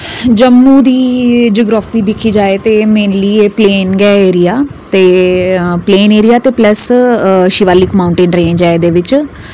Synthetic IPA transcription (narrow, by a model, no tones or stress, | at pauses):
d͡ʒəmːuːd̪iːd͡ʒoːɡɾaːfiːd̪ɪkʰiːd͡ʒaːeːt̪eːmeːnliːeːpleːnɡɛːeːɾijaːt̪eː | pleːneːɾijaːt̪eːpləsʃiʋaːliːkmaːʊɳʈeːnʈɾẽːnd͡ʒaːeːd̪eːʋɪt͡ʃ